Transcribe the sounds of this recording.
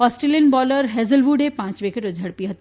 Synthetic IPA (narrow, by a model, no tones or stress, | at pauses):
ɔːsʈɾeliənbɔːləɾɦezəlʋuɖepãːt͡ʃʋekʰeʈod͡ʒʱɐɽpiɦət̪ː